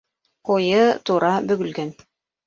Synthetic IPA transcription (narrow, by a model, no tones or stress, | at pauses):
qujɤt̪uɾɑbɵ̆ɡɵ̆lɡæn